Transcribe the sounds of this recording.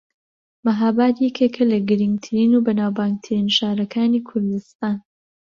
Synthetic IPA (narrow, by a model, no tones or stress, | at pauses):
mɐɦaːbaːt̪jɛkʰekʰɐlɐɡɨɾɨŋɡt̪ʰɨɾiːnubɐnaːwbaːŋɡ̚t̪ʰɨɾiːnʃaːɾɐkʰaːniːkʰʊɾd̪ɨst̪aːn